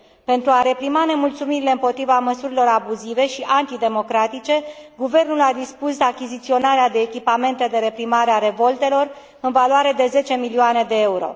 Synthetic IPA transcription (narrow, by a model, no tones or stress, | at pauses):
pe̞nt̪ɾuaɾe̞pɾimane̞mult̪sumiɾile̞ɨmpo̞t̪ɾivaməsuɾilo̞ɾabuzive̞ʃiʔant̪id̪e̞mo̞kɾat̪it͡ʃe̞ɡuve̞rnulad̪ispus̬akʲizit̪sio̞naɾead̪e̞ːkʲipame̞nt̪e̞d̪e̞ɾe̞pɾimaɾeaɾe̞vo̞lt̪e̞lo̞r | ɨnvaloaɾe̞d̪e̞ze̞t͡ʃe̞milioane̞d̪e̞euɾo̞̰